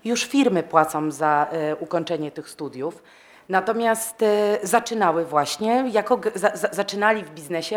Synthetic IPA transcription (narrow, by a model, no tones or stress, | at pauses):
juʂfʲiɾmɘpwat̪sɔ̃w̃zaukɔɲt͡ʂɛɲɛt̪ɘxst̪ud̪ʲjuf | nat̪ɔmʲjast̪zat͡ʂɘnawɘvwaɕɲɛjakɔɡzazazat͡ʂɘnalʲivbʲiznɛɕɛ